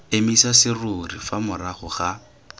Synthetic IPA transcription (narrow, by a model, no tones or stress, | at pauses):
emisasɪrurifamʊraχʊχa